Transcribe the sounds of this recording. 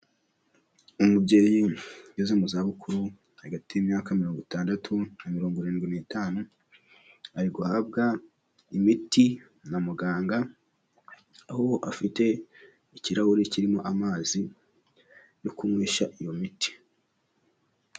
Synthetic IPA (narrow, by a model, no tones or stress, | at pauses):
umubɟeːjijezemuzaβukuɾu | haɡatijimɲaːkamiɾo̞ːŋɡutaːndatʰunamiɾo̞ːŋɡoɾeːnɡwinitaːnu | aɾiɡohab̚ɡa | imiti | namuɡaːŋɡa | ahooʔafite̞ | iciɾahuɾiciɾimo̞ʔamaːzi | jokumŋiːʃaʔijo̞miti̥